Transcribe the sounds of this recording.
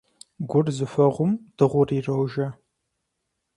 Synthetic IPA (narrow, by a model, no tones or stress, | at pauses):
ɡʷʊrzɨfɐʁʷʊmd̥ɨʁʷʊriːrɐwʒɐ